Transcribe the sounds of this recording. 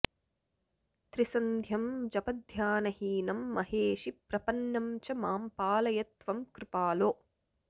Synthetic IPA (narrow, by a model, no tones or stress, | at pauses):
t̪ɾisɐnd̪ʱjɐmd͡ʒɐpɐd̪ʱjaːnɐhiːnɐmːɐɦeːʂipɾɐpɐnːɐmt͡ʃɐmaːmpaːlɐjɐt̪ʋɐmkɾɪpaːloː